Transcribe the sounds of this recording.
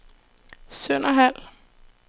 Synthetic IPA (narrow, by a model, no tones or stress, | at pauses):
sœn̰ɐɦæl̰